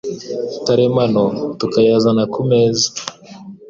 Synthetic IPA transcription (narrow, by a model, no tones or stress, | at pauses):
taɾemanotukajazanakʰumezi